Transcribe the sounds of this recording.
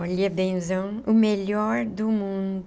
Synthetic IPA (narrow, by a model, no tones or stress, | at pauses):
ɔʎɐbẽzɐ̃w̃ | ʊmeʎɔɾd̪ʊmũnd̪